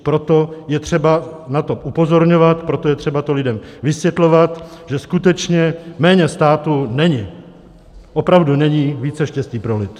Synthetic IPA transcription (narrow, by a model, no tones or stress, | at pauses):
pɾo̞t̪o̞jɛt̪r̝̥ɛbanat̪oʔupo̞zo̞ɾɲo̞vat̪pɾo̞t̪o̞jɛt̪r̥ɛbat̪olɪdɛmvɪsvjɛt̪lo̞vat̪ʒ̥ɛskut̪ɛt͡ʃɲɛmɛːɲɛst̪aːt̪unɛɲɪ | ʔopɾavdunɛɲiːviːt͡sɛʃcɛsciːpɾo̞lɪt̪